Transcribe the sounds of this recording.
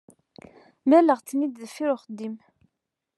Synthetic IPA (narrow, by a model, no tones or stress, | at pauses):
mæləʁt͡sːnid̪ðfiɾʊχəd̪ːim